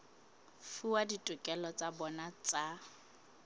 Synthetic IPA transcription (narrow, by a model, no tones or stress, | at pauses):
fuwaditʼʊkʼɛlɔt͡sʼabɔnat͡sʼa